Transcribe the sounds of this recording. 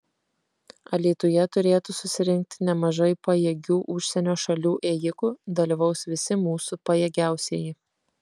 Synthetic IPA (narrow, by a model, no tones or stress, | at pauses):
ɐlʲiːt̪ʊjɛt̪ʊɾʲeːt̪ʊsʊsʲɪɾʲɪŋʲk̚t̪ʲɪnʲɛmɐʒɐɪpɐjeːɡʲuːʔʊʃʲsʲɛnʲoːʃɐlʲuːʔeːjɪkʊd̪ɐlʲiʋɐʊsʋʲɪsʲɪmuːsʊpɐjɛːɡʲæˑʊsʲeːjɪ